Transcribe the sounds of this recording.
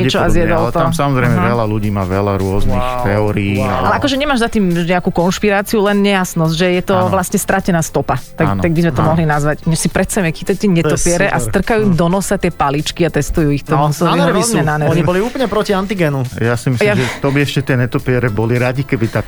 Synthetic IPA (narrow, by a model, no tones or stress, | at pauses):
ɛt͡ʃɔazjɛd̪ɔllɛt̪asamɔzɾɛɪmɛʋɛlaluɟiːmaːʋɛlaɾʊɔznixt̪ɛɔɾiiːa̰alɛʔakɔʒɛɲɛmaːʒzat̪iːmɲɛakuːkɔnʃpiɾaːt͡siulɛnɲɛjasnɔs̬ʒɛjɛt̪ɔʋlasɲɛst̪ɾacɛnaːst̪ɔpat̪aɡnt̪aɡ̚bizmɛt̪ɔmɔɦlinazʋacɲɛʃsipɾɛt̪sajɛmɛkit̪ɔɛt̪ɛɲɛt̪ɔpiɛɾɛʔast̪r̩kajuːd̪ɔnɔsat̪ɪɛpalit͡ʃkiat̪ɛst̪ujuːixt̪ɔmusɛliɾɔzɲɛnanɛɔɲibɔliuːplɲɛpɾɔciant̪iɡɛnujasimisjiaʒɛt̪ɔbiɛʃcɛt̪ɪɛɲɛt̪ɔpɛɾɛbɔliɾaɟikɛbit̪a